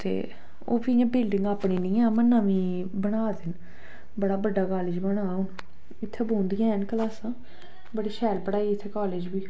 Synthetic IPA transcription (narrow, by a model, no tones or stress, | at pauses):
t̪ḛː | o̰ːbiːãːbɪlɖɪ̃ŋɡaːpɳiːnĩːãːmənːãːʋĩː | bəɽaːd̪ɪn | bəɽaːbəɖaːkaːlɪːd͡ʒbəɽ̃aːʊn | ɪt̪ʰːeːbõːnd̪ijãːənkəlaːsãː | bəɽiːʃʰɛːlpəɽaːiːɪt̪ʰːeːkaːleːd͡ʒbiː